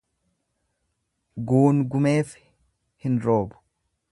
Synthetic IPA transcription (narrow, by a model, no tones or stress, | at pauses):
ɡuːnɡʊmeːf | hɪnɾo̞ːbʊ̥